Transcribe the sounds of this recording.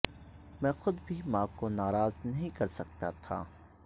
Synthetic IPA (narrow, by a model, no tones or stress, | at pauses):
mɛ̃ːxʊd̪bʱimãːkonaːɾaːznɐɦĩkɐɾsɐk̚t̪at̪ʰa̰ː